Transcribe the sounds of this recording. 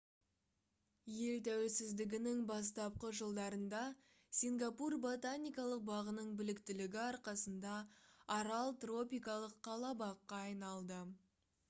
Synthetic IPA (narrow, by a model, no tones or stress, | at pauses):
je̞lt̪ʰæwelsɪzd̪ɪɡʲɪnɪŋbɑs̬t̪ɑp̚qəʒəlˠd̪ɑɾənd̪ɑ | sʲiŋɡapurbo̞t̪anʲijkɑlˠəq̚bɑʁənəɴbɪlɪkt̪ɪlɪɡʲɪɑɾqɑsənd̪ɑːɾɑlˠt̪ro̞pijkɑlˠəqʰːɑlˠɑbɑqːɑːjnɑlˠd̪ə